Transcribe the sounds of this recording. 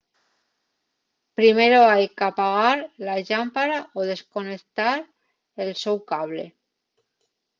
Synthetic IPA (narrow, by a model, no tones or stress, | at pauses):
pɾime̞ɾoajkapaɣaɾlaʎampaɾaoðe̞sko̞nek̚t̪aɾ | elsowkaβ̞lḛ